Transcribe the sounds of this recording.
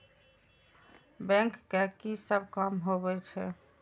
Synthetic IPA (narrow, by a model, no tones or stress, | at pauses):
bɛ̃ŋkːekisəbʱkəmɦobɛt͡ʃʰɛ̰